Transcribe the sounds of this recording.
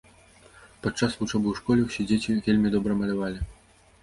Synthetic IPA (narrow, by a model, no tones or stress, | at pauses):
pɐt͡ʂːasvut͡ʂɔbɨwʂkɔlʲɛwsʲed͡zʲet͡sʲivʲelʲmʲid̪ɔbɾɐmɐlʲavalʲi